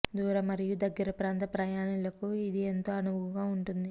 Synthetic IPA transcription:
d̪uːɾɐmɐɾijud̪ɐɡːɐɾɐpɾaːnt̪ɐpɾɐjaːnilɐkuid̪ient̪o̞ːɐnuʋuɡaːuɳʈund̪i

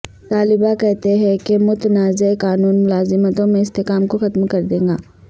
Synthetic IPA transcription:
t̪aːlɪbakɛɦt̪eɦɛ̃kemʊt̪ənaːzeekaːnuːnmʊlaːzɪmət̪õmẽɪst̪ekaːmkoxɐt̪mkɐɾd̪ẽːŋɡaː

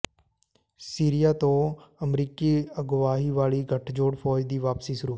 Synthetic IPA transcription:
siːɾɪjaːt̪õːəmɾiːkiːəɡʋaːɦiːʋaːɭiːɡʱəʈʰd͡ʒoːɽpʰɔːd͡ʒd̪iːʋaːpsiːsəɾuː

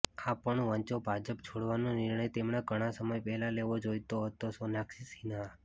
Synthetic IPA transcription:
apəɳʋə̃ɲt͡ʃobʱad͡ʒəp̚t͡ʃʰoɽʋanonɪɾɳəjt̪emɳaɡʱəɽ̃asəməjpɛɦlaleʋod͡ʒojt̪oɦət̪osonaksisina

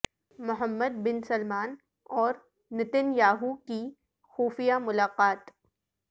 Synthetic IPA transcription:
mʊɦəmːəd̪̚bɪnsɐlmaːn | ɔːɾ | nɪt̪ɪnjaːɦuki | xuːfijamʊlaːqaːt̪

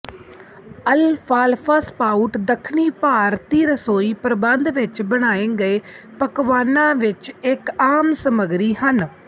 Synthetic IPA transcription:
əlfʰaːlpʰaːspaːuʈd̪əkʰniːpaːɾt̪iːɾəsoːiːpəɾəbənd̪ʋɪt͡ʃbəɽ̃aːẽːɡəeː | pəkʋaːnãːʋɪt͡ʃɪkaːmsəməɡɾiːhən

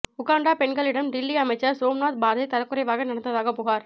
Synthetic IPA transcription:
ʊkaːɳɖaːpɛɳɡɐɭɪɽɐmɖɪlːiɐmɐɪt͡ʃːɐɾsoːmnaːt̪̚baːɾðɐɪt̪ɐɾɐkːʊɾɐɪʋaːɣɐnɐɽɐnɐðaːɣɐpʊɣaːɾ

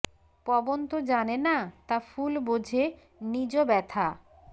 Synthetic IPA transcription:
pɔbont̪od͡ʑanenat̪afulbod͡ʑʱe | nid͡ʑobɛt̪ʰa

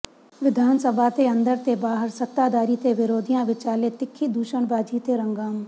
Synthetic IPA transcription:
ʋɪd̪ʱaːnsəbʱat̪ʰeɐ̃nd̪əɾt̪ʰebaːɦəɾsɐt̪ːaːd̪aːɾit̪ʰeʋɪɾoːd̪ʱijãʋɪt͡ʃaːlet̪ɪkʰːid̪uːʃəɳbaːd͡ʒit̪ʰeɾɐ̃ŋɡaːm

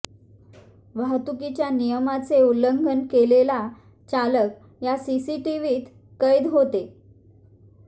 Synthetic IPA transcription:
ʋaɦt̪ukit͡ɕjanijəmat͡seuləŋɡʱənkelela | t͡ɕalək | jasisiʈiʋiːt̪ | kəjd̪ɦot̪e

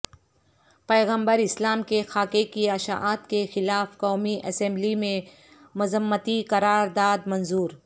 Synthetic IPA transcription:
pɛːɣə̃mbəɾɪslaːmkexaːkekiaʃa̰ʔaːt̪kexɪlaːfkɔːmiʔɐsɛ̃mblimẽ | mʊzəmːət̪ikɐɾaːɾd̪aːd̪mɐnzuːɾ

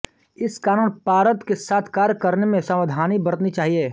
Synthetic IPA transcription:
ɪskaːɾuːnpaːɾət̪kesaːt̪ʰkaːɾkɐɾnemẽsɐməd̪ʱaːnibɐɾt̪nit͡ʃaːɦieː

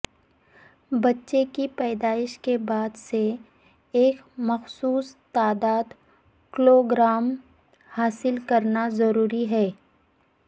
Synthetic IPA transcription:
bɐtːʃekipɛːd̪aːɪʃkebaːd̪se | eːk | mɐxsuːst̪aːd̪aːd̪ | kɪloːɡɾaːm | haːsɪlkɐɾnazɐɾuːɾiɦɛː

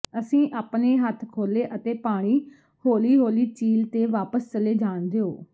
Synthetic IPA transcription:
əsĩːʔaːpneːɦət̪ʰkʰoːleːʔət̪eːpaːɽ̃iː | hoːliːɦoːliːt͡ʃiːlt̪eːʋaːpəst͡ʃəleːd͡ʒaːnd̪eːoː

